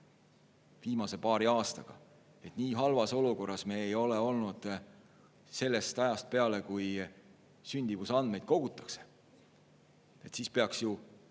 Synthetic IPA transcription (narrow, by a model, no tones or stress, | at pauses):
viːmɑse̞pɑːɾiɑːst̪ɑɡ̥ɑ̰ | e̞t̪ˑniːɦɑlvɑso̞luko̞rːɑsme̞ːejo̞le̞o̞lnud̪̥ | se̞lːe̞st̪ɑjɑst̪̚pe̞ɑle̞kuj | synʲd̪̥ivusɑnd̪̥me̞jd̪̥̚ko̞ɡ̥ut̪ːˑɑ̥kse̥ | e̞t̪siːspeɑksju